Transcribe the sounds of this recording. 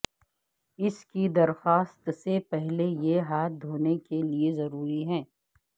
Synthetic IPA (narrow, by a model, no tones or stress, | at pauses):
ɪskid̪ɐɾxaːst̪sepɛɦlejeɦaːt̪̚d̪ʱoːnekeliezɐɾuːɾiɦɛ̃ː